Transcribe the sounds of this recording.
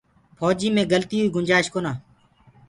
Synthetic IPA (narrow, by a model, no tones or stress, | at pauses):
pʰɔːd͡ʒiːmẽːɡəlt̪iːɦuːiːɡʊnʲd͡ʒaːʃkoːnãː